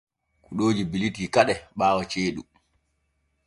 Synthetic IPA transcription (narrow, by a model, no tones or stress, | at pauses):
kuɗoːd͡ʒibilitikaɗɛɓaːwɔt͡ʃeːɗṵ